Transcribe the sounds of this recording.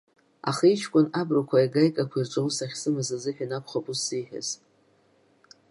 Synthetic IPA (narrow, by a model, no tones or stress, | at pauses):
a̰χait͡ʃʰkʷʼʊnabrakʷʰaiɡajkʼakʷʰirt͡ʃʷʼowusaχʲsɨmazazɨħᶣanakʷʰχapʼusiħᶣa̰z